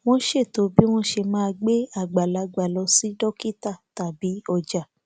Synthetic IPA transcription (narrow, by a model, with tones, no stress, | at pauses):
w̃ɔ̃˦ʃe˦˨to˨˦bi˦w̃ɔ̃˦ʃe˧mãː˦˧ɡ͡be˦a˦˨ɡ͡ba˨la˨˧˦ɡ͡ba˨lɔ˧si˨˦dɔ˦ki˦ta˦˨ta˨bi˨˦ɔ˧˨d͡ʒa˨